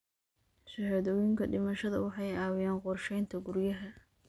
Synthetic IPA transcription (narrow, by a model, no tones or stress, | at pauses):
sɐhɛðɔwɪŋkʰɐɖɪmɐʃɐðɐwɑħɑjɑːwɪjaːnqʊrʃɛjnt̪ʰɐɡʊɾjɐɦɐ